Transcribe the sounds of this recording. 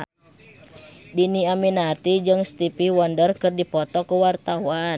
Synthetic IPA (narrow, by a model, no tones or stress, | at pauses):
diniaminart̪id͡ʒɨŋst̪ipiwɔndərkɨrdipɔt̪ɔkuwart̪awa